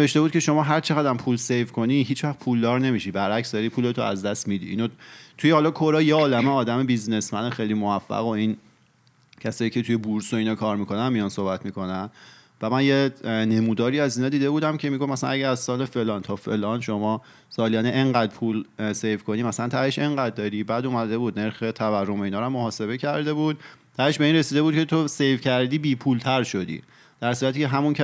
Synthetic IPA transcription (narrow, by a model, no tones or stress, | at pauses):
neveʃt̪e̞buːd̪̚cʰe̞ʃo̞mɒːɦæɾt͡ʃʰeɣæd̪æmpʰuːlsejvkʰo̞niɦiːt͡ʃʰvæχpʰuːld̪ɒːɾne̞miʃibæɾæcsd̪ɒɾiːpʰuːle̞t̪ʰoæzd̪æst̪mid̪ḭinot̪ʰujehɒlɒkʰoɾɒːjeɒːlæmeɒːd̪æmebizne̞smænexejlimovæfːæ̰ɣo̞in | cʰæsɒːjiːcʰe̞t̪ʰuje̞buɾsoiːnɒːkʰɒːɾmikʰo̞nænmijɒnso̞hbæt̪ʰmikʰo̞næn | væmænjene̞muːd̪ɒːɾiæziːnɒːd̪iːd̪e̞buːd̪æmcʰemiɡofmæsænæɟæɾæzsɒːle̞fe̞lɒnt̪ʰɒfe̞lɒːnʃo̞mɒː | sɒːliæneʔeŋɢæd̪̚pʰuːlsejvkʰo̞niːmæsælænt̪ʰæeʃe̞ŋɢæd̪̚ːɒːɾiːbæd̪uːmæd̪e̞buːd̪̚neɾxe̞t̪ʰæværːomo̞iːnɒːɾamːoɦɒːse̞βe̞cʰæɾd̪e̞buːd̪̥̚t̪ʰæeʃbe̞iːnɾesiːd̪e̞buːd̪̥̚cʰet̪ʰose̞jvcʰæɾd̪iːbiːpʰuːlt̪ʰæɾʃod̪ḭː | d̪̥æɾsuːɾæt̪ʰiːceɦæmuncʰæ